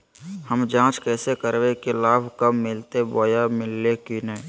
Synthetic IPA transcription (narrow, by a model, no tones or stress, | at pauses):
həmd͡ʒãːt͡ʃkɛːsekəɾwekilaːbʱkəmːɪlt̪eboːjamɪlːekinə